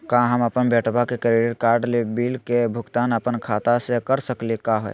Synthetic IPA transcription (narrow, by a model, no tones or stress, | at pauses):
kaɦəməpənbeʈbakekɾeɖiɾkaɾɖlebilkebʱuɡt̪anəpənkʰat̪asekəɾsəklekaɦoj